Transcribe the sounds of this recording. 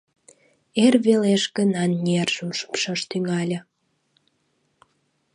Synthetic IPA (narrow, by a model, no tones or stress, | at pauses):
erβeleʃɣənɑnːʲerʒuʃə̥pʃəʃt̪yŋɑlʲə̆